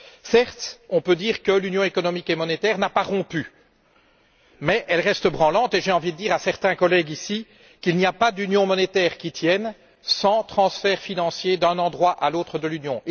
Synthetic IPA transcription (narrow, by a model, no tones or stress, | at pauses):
sɛʁt̪ɔ̃pød̪iːʁkəlynjɔ̃ekɔnɔmikemɔnet̪ɛːʁnapaʁɔ̃py | mɛʔɛlʁɛst̪əbʁɑ̃lɑ̃t̪eʒeɑ̃vid̪əd̪iːʁasɛʁt̪ɛ̃kɔlɛɡisi | kilniapad̪ynjɔ̃mɔnet̪ɛːʁkʲit̪jɛn | sɑ̃t̪χɑ̃sfɛʁfinɑ̃sjed̪œ̃nɑ̃d̪ʁwaʔalot̪χəd̪əlynjɔ̃ʔ